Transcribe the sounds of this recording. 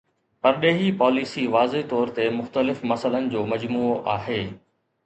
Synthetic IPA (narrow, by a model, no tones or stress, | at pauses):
pɐɾɗeːɦipɔːlisiʋaːzet̪ɔːɾt̪emʊxt̪əlɪfmɐsələnɪ̆d͡ʑoːmɐd͡ʑmuːoʔaːɦeː